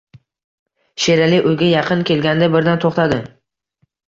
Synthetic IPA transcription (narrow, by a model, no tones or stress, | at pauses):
ʃeɾalɪʔʊjɡʲajɑqʰɨnkʲʰe̞lɡʲand̪abɪɾd̪ant̪ʰoχt̪ʰad̪ɪ